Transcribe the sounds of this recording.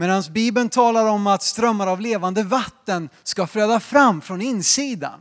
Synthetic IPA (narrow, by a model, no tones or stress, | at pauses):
meːd̪ansbiːbənt̪ʰɑːlaɾɔmat̪st̪ɾœmːaɾavleːvand̪əvat̪ːənskafɾøːd̪afɾamːfɾɔnɪnsiːd̪a̰n